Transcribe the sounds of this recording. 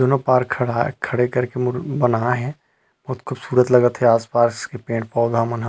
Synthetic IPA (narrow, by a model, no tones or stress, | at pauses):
d͡ʒonopaːɾkʰɽakʰːɐɽekɐɾkembənaɦɛ̃ | b̥ɐɦʊt̪kʰubsuːɾət̪lɐɡət̪ɦɛaːspaːskepẽːɳʈ̚pɔːʊd̪ʱamənɦa